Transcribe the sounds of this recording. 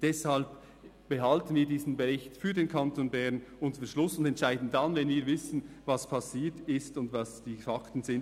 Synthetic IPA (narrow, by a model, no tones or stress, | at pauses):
d̥ɛshalp | b̥ɛɦaltən̩viːɐdiːzən̩bɛʁɪçtfyːɐdeːnkʰɑntʰonbɛɾnʊntəfəʃlʊsʊndɛntʃaɪdn̩danvɛnviːɐvɪsn̩ | vɑspʰɑsiːtɪstʊndvɑsd̥iːfɑktn̩zɪn